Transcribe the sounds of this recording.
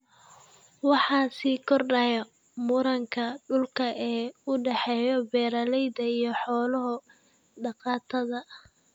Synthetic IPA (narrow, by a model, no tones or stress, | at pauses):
wɑħɑːsiːkʰɔrɖɐjɐ | mʊɾɐŋkʰɐɖʊlkʰɐɛːʊɖɛħɛːjɔbɛːɾɐlɛjd̪ɐijɞħɔːlɔɦɔ | ɖɑqɑːt̪ʰɐðɐ